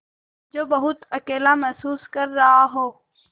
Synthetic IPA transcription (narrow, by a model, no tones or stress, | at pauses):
d͡ʒoːbɐɦʊt̪ɐkeːlamɛɦsuːskɐɾːɐɦaɦoː